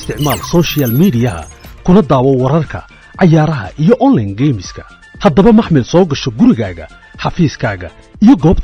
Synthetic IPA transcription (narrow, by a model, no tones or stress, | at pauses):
st̪ʰɪʕmaːlsɔːʃɪjaːlmiːdɪjɐɐ̰kʰʊnɐd̪aːwɔwɑɾɐrkʰɐ̰ | ʕɑjaːɾɐɦɐ̰ʔijɔʔɔnlɐjnɡɛjmɪskʰɐ̥ | hɐd̪ɐβɐmɑħmɪlsɔːɡɐʃɔɡʊɾɪɣaːɣɐ̰ | ħɑfiːskʰaːɣɐ | ʔijɞɡɔːbt̪